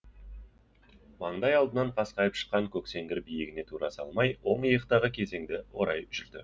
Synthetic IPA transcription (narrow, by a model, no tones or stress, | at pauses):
mɑɴd̪ɑjɑlˠd̪ənɑɴqʰɑsqɑjəpʃə̥qːɑŋkʲʰɵkse̞ŋɡʲɪɾbijɪɡʲɪne̞t̪ʰuɾɑsɑ̰lˠmɑjwo̞ɴijəqt̪ɑʁəkʲʰe̞ze̞ŋd̪ɪwo̞ɾɑjʒɪld̪ɪ